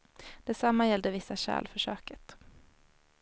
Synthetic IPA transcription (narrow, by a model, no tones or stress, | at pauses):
d̪̥ɛsamːajɛld̪əvɪsːaɕæ̰ːlfœʂøːkət̪